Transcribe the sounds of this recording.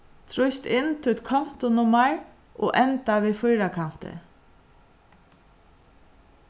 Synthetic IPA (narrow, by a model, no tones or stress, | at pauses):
t̪ʰɾɔʏst̪ɪnt̪ʰɪɛt̪kʰɔm̥t̪ʊnʊmɑɹ | ʔo̰ːʔɛnt̪aʋeːfɔʏɾakʰan̥t̪ə̰